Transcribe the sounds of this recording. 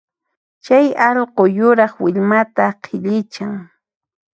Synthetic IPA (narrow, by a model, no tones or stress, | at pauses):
t͡ʃajɑʎqojʊɾɑχwɪʎmat̪aqʰɪʎɪt͡ʃaŋ